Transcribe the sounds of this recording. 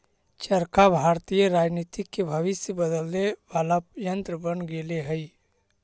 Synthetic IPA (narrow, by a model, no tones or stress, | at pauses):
t͡ʃəɾkabʱaɾt̪ijəɾaːd͡ʒnit̪ikːebʱəʋɪsjəbəd̪əlːebaləpjənt̪ɾəbənɡeleɦəi